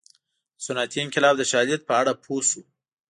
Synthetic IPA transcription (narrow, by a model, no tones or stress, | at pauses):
sʊnat̪iɪŋkɪlɑbd̪əʃɑljat̪̚pəaɽapʰosu